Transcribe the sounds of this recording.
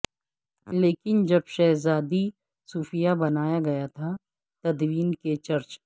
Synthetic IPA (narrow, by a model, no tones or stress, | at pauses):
leːkɪnd͡ʒɐbʃɛɦzaːd̪i | suːfijabɐnaːjaɡɐjat̪ʰa | t̪ɐd̪wiːnket͡ʃɐɾt͡ʃ